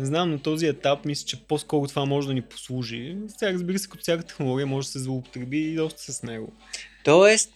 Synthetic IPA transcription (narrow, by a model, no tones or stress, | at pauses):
nɛznamnɐt̪ɔziɛt̪apmislʲə̥t͡ʃɛposkɔɾʊt̪ovamɔʒɛd̪ɐnipo̥slˠuʒisʲaɾəzbiɾəsɛ̥kɐt̪ɔ̥sʲjakət̪t̪ɛ̥xnolˠɔɡʲijəmɔʒɛd̪ɐsɛzvlˠopo̥t̪ɾɛbiːd̪ɔst̪ə̥sɛsnɛɡo̰ | t̪ɔɛst̪